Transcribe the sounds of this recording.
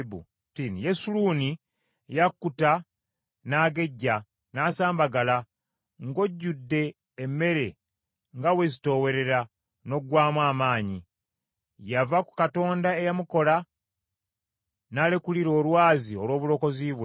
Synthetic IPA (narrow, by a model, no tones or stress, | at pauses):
bṵ | tinijesuluːni | jakːuta | naːɡe̞ɟːa | naːsaːmbaɡala | ŋɡo̞ɟːudːe̞ː | mːe̞ɾe̞ | ŋɡawe̞zito̞we̞ɾe̞ɾa | no̞ɡwaːmwaːmaːɲi | javaku̥kato̞ːndae̞jamuko̞la | naːle̞kuliɾo̞ːlwaːzio̞lwo̞ːβulo̞ko̞ziβwe